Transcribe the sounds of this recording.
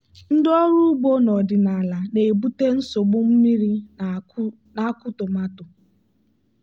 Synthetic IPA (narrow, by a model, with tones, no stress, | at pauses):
n̩˦dɔ˦ɾu˦ɡ͡bo˦nɔ˨dɪ˨na˨la˨ne˨e˨bu˦te˦n̩˦so˨ɡ͡bʊ˦m̩˦mi˦ɾi˦ | na˦kʊ˦tʊ˨ma˦tʊ˨